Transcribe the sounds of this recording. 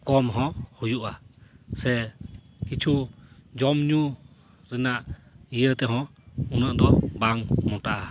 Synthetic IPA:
kɔmɦɔ̃hujuʔasɛ | kit͡ʃʰud͡ʒɔmɲu | ɾɛnaʔijəɾt̪ɛɦɔ̃unəʔd̪ɔbaŋmɔʈaʔa

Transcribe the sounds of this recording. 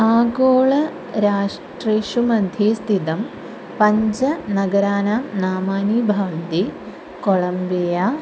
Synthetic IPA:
aːɡoːɭɐ | ɾaːʂ | ʈreːʂumɐnd̪ʱeːst̪ʰid̪ɐm | pɐɲd͡ʒɐnɐɡɐɾaːnaːmnaːmaːniːbʱɐːʋɐnt̪i | koɭɐmbijaː

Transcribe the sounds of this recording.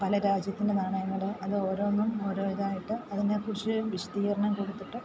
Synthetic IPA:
pɐlɐɾaːd͡ʑjɐt̪ːindenɐɾɐɳɐjɐŋːɐɽɨʔɐðɨo̞ːɾo̞ːnːumo̞ːɾoːʋiðaːjiʈːɨɐðinekurit͡ɕːɨʋiʂɐ̥d̪iːɣɐɾɐɳɐmkoɽut̪ːiʈːɨ

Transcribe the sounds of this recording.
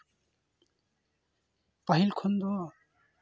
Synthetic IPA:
pʌɦilkʰond̪ɔ

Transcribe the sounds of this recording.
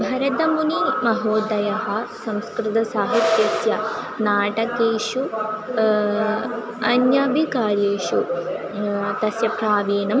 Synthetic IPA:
bʱɐɾɐd̪ɐmunimɐɦoːd̪ɐjɐɦɐ̆sɐ̃mskɾɪt̪ɐsaːɦit̪jɐsjɐ | naːʈɐkeːʃu | ɐnjɐbʱikaːɾjeːʃu | t̪ɐsjɐpɾaːʋeːnɐm

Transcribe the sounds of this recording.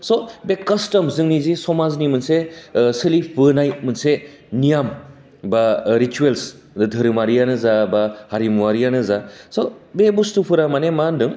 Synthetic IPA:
sobekɐstɐmzɯŋnizisɔmaznimɯnsesɯlibɯnajt̚mɯnse | nijam | baɾituels | dɯdʱɯɾɯmaɾijanɯzabahaɾimuwaɾijanɯzasobebustupʰɯɾamanemandɯŋ

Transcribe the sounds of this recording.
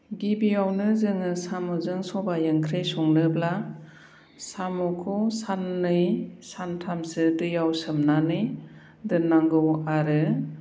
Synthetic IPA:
ɡibijawnɯzɯŋɯsamɯzɯŋsɔbajɯŋkʰɾesuŋnɯbla | samɔkʰɔsanːɯjsantʰamsɯdɯjawsɯmnanɯj | dɯnːaŋɡɯwaɾɯ

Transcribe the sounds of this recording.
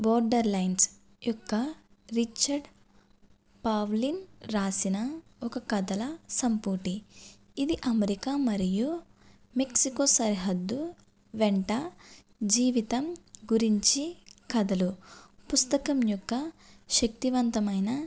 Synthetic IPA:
bɔːɾɖɐɾlɐjns | jɔkːɐ | ɾit͡ʃːɐɾɖ | paːʋlinɾaːsinɐ | ɔkɐkɐd̪ɐlɐsɐmpuːʈiː | d̪iʔɐmeɾikamɐɾiju | meksikoːsɐɾiɦɐd̪ːu | ʋeɳʈɐ | d͡ʒiːʋit̪ɐmɡuɾiɲt͡ʃikɐd̪ɐlupust̪ɐkɐmjɔkːɐʃɐk̚t̪iʋɐnt̪ɐmɐjnɐ

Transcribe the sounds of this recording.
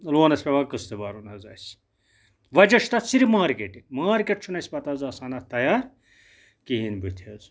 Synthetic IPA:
loːnɐsʲpʲeʋaːkɨst̪ebaːɾunɐzɐ̰ːsʲ | ʋɐd͡ʒɐʂt̪ɐsiɾimaːɾkeʈimaːɾkeʈ̚t͡ʃʰunɐsʲpɐt̪aːzɐːsaːnɐt̪ɐjaːɾ | kiɦinbut̪ʰɐːz

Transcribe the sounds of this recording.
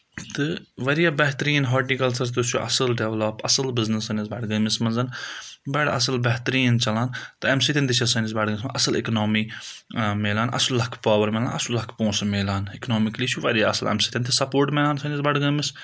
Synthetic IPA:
t̪ɨʋɐɾijabɛɦt̪ɾiːnɦɔːʈnikɐlsɐɾst̪usʰuʔɐ̰sɨlɖɛʋlɐpɐsɨlbɪznɐsɐnizbɐɖɡɐmismɐnzɐnbɐɽɐsɨlbɐɦt̪ɾiːnt͡ʃɐlaːnt̪ɨɐmsit̪ʲint̪it͡ʃʰɐsɐnizbɐɖɡəmʲismʔɐsɨlḭknoːmi | meːlaːnɐ̰sllɐkʰpaːʋɐɾmeːla̰ːnɐslɐkʰpõːsmeːlaːniknoːmikliːt͡ʃʰuʋɐɾijaɐ̰səlɛ̰msiːt̪ʲɐ̃nt̪ʰɨsɐpoːɾʈmeːlaːnsɐnizbɐɖɡɐmis

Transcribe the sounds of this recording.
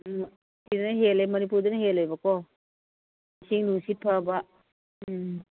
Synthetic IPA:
sidnɐɦelemɐnip̬uɾdunɐɦelojbɐkɔ | misiŋnuŋsit̚pʰaba

